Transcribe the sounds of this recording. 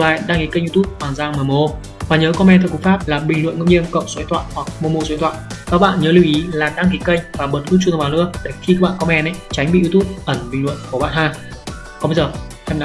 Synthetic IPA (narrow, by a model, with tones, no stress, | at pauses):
la̰ː˧˨˩ɗaː˧ŋki˨˦kə˧ŋʔi˧t̪u˦˥p̚hwaː˨˩nzaː˧ŋməː˨˩mo˧ | vaː˨˩ɲəː˨˦kɔ˧mɛ˧nt̪ʰə˨˧˩ku˨˩˦faː˦˥p̚laː˨˩ɓï̟˨˩lwə̰˧˨nŋə̰˧˨wɲi˧ənkə̰˧˨wŋ͡mso˨˦jt̪ʰwa̰ː˧˨nhwa˨˩k̚mo˧mo˧˩swjt̪ʰwa̰ː˧˨nkaː˦˥k̚ɓa̰ː˧˨nɲəː˨˦li˧wʔi˨˦laː˨˩ɗaː˧ŋki˨˦kə˧jŋ̟vaː˨˩ɓə˨˦˩t̚kɨ˧˦˥ŋt͡ɕu˧vaː˨˩nlɨ̰˧˥ək̚ɗe˧˩xi˧kaː˦˥k̚ɓ̰aː˧˨kɔ˧mɛ˧nʔɛ˧˦jt͡ɕa˨˦jŋ̟ɓḭ˧˨zi˧t̪u˦˥p̚ʔə˧˩nɓï˨˩ŋ̟lwə̰˧˨nku˧˩əɓa̰ː˧˨nhaː˧˩ | kɔ˨˦ɓə˧jzəː˨˩hɛ˧mn˧